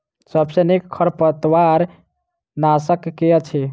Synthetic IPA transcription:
səbsenekkʰːəɾpət̪waɾ | nasəkːejət͡ʃʰi

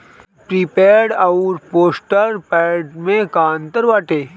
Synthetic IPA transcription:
pɾipeːɖaʊɾpoːsʈəɾpɛɖmẽkaːnt̪əɾʋaʈeː

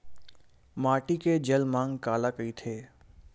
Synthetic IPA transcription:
maːʈiked͡ʒɐlmãːŋɡkaːlakəit̪ʰeː

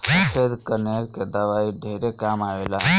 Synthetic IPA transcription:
səpʰed̪kəɾneɾked̪əʋaiɖʱeɾekamaʋela

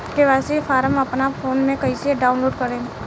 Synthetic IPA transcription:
keʋaːsipʰaːɾəməpnapʰoːnmẽkəɪsieɖaːʊnloːɖkəɾẽː

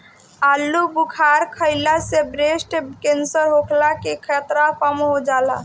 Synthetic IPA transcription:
alːubukʰaɾkʰəɪlasebɾesʈkensəɾɦokʰlakekʰet̪ɾapameɦod͡ʒala̰

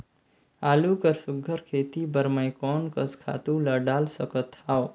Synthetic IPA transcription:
alukəɾsuɡʱəɾkʰet̪ibəɾməjkɔnkəskʰa̰t̪ũləɖalsəkət̪ʰːao

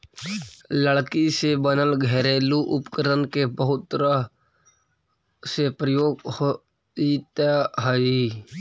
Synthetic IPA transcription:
ləɭkisebənəlɡʱɛɾeːluʔʊpkəɾənkebəɦʊt̪ːɾa | sepɾəjoːɡho | it̪aɦəi

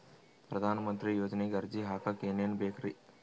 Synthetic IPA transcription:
pɾɐd̪ʱaːnɐmɐnt̪ɾijoːd͡ʒɐneːɡɐɾd͡ʒiɦaːkɐkeːneːnbeːkʰɾi

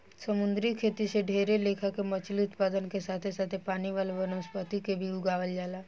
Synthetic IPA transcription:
səmʊ̃nd̪ɾikʰeːt̪iseɖʱeːɾeleːkʰakemɐt͡ʃliʊt̪paːd̪ənkesaːt̪ʰesaːt̪ʰepaːniʋaːleʋɐnoːspət̪ikebʱiʊɡaːʋəld͡ʒaːlaː

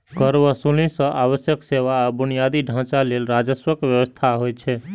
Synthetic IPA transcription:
kəɾʋəsulĩsə̃ʔaʋəsjəkseʋabʊnijad̪iɖʱãt͡ʃalelɾad͡ʒəswəkʋjəʋəst̪ʰaɦojt͡ʃʰe

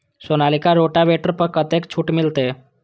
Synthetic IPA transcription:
sonalikaɾoʈaʋeʈəɾpəkət̪ekt͡ɕʰuːʈmilt̪e

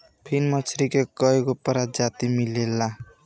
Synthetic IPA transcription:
pʰinmʌt͡ʃʰɾikekʌɦekopəɾad͡ʒat̪imilelːa

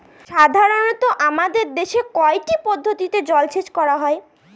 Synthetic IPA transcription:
ʃad̪ʱaɾonot̪oʔamad̪eɾd̪eʃekɔeʈipɔd̪ʱːot̪it̪ed͡ʑɔlt͡ɕʰet͡ɕkɔɾaɦɔe

